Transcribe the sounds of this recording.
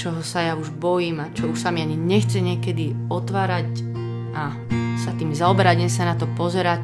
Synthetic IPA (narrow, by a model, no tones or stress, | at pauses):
t͡ʃɔɦɔsajauʒbɔjiːmat͡ʃɔuʃsamiaɲiɲɛxt͡sɛɲɪɛkɛd̪iɔt̪ʋaːɾac | a | sat̪iːmzaɔbɛɾaɲɛmsanat̪ɔpɔzɛɾac